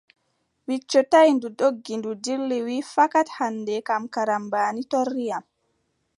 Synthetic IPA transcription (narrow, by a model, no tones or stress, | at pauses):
wit͡ʃːɔtajndudoɡːindudilːiwifakathanːdɛkamkaɾambaːnitɔrːijam